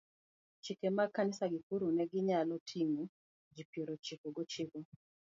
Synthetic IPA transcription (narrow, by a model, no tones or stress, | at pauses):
t͡ʃikemakːanɪsaɡɪkuɾunɛɡɪɲalɔtʰiŋu | d͡ʒipiɾot͡ʃikɔɡɔt͡ʃikɔ